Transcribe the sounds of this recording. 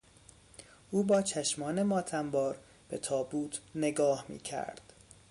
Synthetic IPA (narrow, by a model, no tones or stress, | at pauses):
ʔuːbɒːt͡ʃʰæʃmɒːne̞mɒːt̪ʰæmbɒːɾ | b̥et̪ʰɒːbuːt̪ʰne̞ɡɒːhmḭːcʰæ̰ɾd̪̥